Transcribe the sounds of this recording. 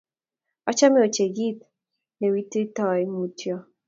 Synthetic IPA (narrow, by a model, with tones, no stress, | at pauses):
ɔ˦t͡ʃa˦mɛ˦o˨t͡ʃe˨ɡi˦t̪ | ne˨wi˦ti˦tɔ˨jmu˨tʰjɔ˨